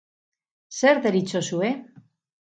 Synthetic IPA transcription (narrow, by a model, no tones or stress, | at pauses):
se̞ɾðeɾit͡so̞sue̞